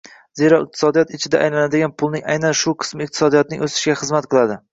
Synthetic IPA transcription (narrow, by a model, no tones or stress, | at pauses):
ze̞ɾɒɪq̚t̪ʰɪsɒd̪ijɒt̪ɪt͡ʃʰɪd̪a̰ʔajlanad̪ɪɡʲanpʰʊlˠnɪŋa̰jnanʃʊqʰɨ̥smɪɪq̚t̪ʰɪ̥sɒd̪ijɒt̪̚nɪ̰ŋʔosɪ̥ʃɡʲaχɨzmat̪̚qʰɨlˠad̪ɪ